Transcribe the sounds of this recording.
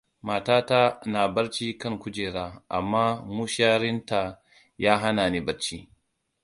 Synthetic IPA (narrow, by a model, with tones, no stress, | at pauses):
maː˨taː˦ta˦naː˨bɐ˦ɾt͡ʃiː˦kɐ˦ŋkʷʊ˦d͡ʒeː˨ɾaː˦ʔa̰˨mːaː˦mu˦ʃaː˦ɾɪ˦nta˨ | jaː˦ɦa˦naː˨niː˦bɐ˨ɾt͡ʃiː˦